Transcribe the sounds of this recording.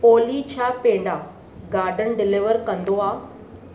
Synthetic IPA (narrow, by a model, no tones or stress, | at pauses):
poːlit͡ɕʰaːpẽːɳɖaː | ɡaːɾɖən̆ɖɪlɪʋəɾkɐ̃nd̪oaː